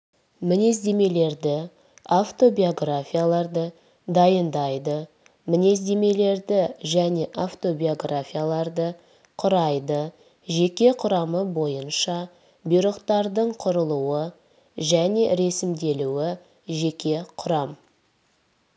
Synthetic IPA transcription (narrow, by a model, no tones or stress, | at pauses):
mɪne̞zd̪e̞me̞le̞ɾd̪ɪ | aft̪o̞bio̞ɡrafʲijalˠɑɾd̪ə | d̪ɑjənd̪ɑjd̪ə | mɪne̞zd̪e̞me̞le̞ɾd̪ɪʒæne̞ʔaft̪o̞bio̞ɡrafʲijalˠɑɾd̪ə | qʰʊɾɑjd̪ə | ʒe̞kʲe̞qʰʊɾɑməbo̞jənʃɑ | bʊjɾəqt̪ɑɾd̪əɴqʰʊɾəlˠuwə | ʒæne̞ɾe̞sɪmd̪e̞luwɪ | ʒe̞kʲe̞qʰʊɾɑm